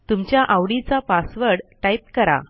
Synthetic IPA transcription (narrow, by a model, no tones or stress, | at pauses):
t̪umt͡ɕjaʔawɽit͡sapasʋəɾɽʈaip̚kəɾa̰